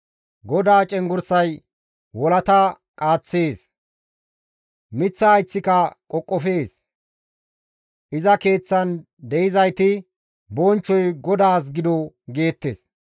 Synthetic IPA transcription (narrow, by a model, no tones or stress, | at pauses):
ɡɔd̪aːt͡ʃʼɛŋɡʊɾsɐj | wɔlɐt̪ɐ | kʼaːt͡sːeːs | mɪt͡sːɐːjt͡sːɪkɐkʼɔkʼːɔfeːs | ʔɪzɐke̞ːt͡sːɐn | d̪ɛɪzɐjt̪ɪ | bɔnt͡ʃːɔjɡɔd̪aːs̬ɡɪd̪ɔ | ɡe̞ːt̪ːḛs